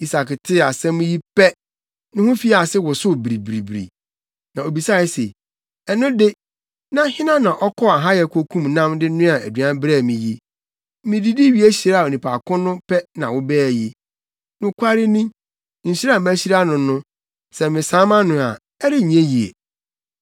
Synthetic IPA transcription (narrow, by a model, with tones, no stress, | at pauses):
i˨sa˨kɪ˨tʰɪ˦a˨sɛ̃˦mʊ̃˦ji˦pɛ˦ | nʊ̃˦hʊ̃˦fi˦a˨sɪ˦wʊ˨sʊ˦bɾi˨bɾi˨bɾḭ˨ | nã˨o˨bi˨sa˦˨ɪ˦sḛ˨ | ɛ˨nʊ̃˦dɪ˦ | nã˦hɪ̃˦nã˦nã˨ʔɔ˦kʰɔ˦a˨ɦa˦jɛ˨kʰo˦kʰũ˦mnã˦mdɪ˦nʊ̃˦a˨æ̰˨dɥã˦m˦bɾɛ˦˨mĩ˨ji˦ | mɪ̃˨di˦di˦ɥi˨˦æ˦ɕi˨ɾa˦˨o˨nĩ˨pʰa̰˨kʰʊ̃˦nʊ̃˦pʰɛ˦nã˨wʊ˦bɛː˦˨ji˦ | nʊ̃˨kʷʰa˦ɾɪ˦nĩ˦ | ɲ̩˨ɕi˦ɾa˦˨mæ̃˦ɕi˦ɾa˦nʊ̃˨nʊ̃˦ | sɛ˨mɪ̃˨sãː˨˦mã˦nʊ̃˨a˨ | ɛ˦ɾɪ˦˨ɲ˨ɛ̃˦ji˨ḛ˨